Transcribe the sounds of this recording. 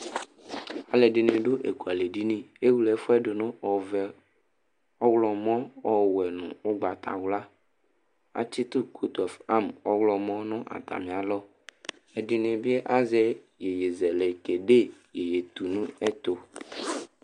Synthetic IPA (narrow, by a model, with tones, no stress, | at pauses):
a˨le˨ɖi˨nẽ˨ɖo˦ʔḛ˨ku˨a˨le˨ɖi˦nĩ˦e˦wu˦lɛ˨˦fo˦ɛ˦ɖo˨nõ˦ɔ˨vɛ˨ | ɔ˦wlɔ˨mɔ̃˦ɔ˦wɛ˨nṵ̃˨o˦ɡ͡ba˨t̪ʰa̰˨wla˦ | a̰˨t͡ɕi˦t̪u˦kʰu˦t̪ɔ˨fa˦mɔ˦wlɔ˨mɔ̃˦nɔ̃˦ʔa̰˨t̪a̰˨mĩ˨a˨lɔ˦ | e˨ɖi˨nẽ˨bi˦ɛ˦ʔa˦zɛ˦ | je˨je˨zɛ˨le˨ke˨ɖe˦je˨je˨t̪u˨nũ˦ɛ˦t̪o˨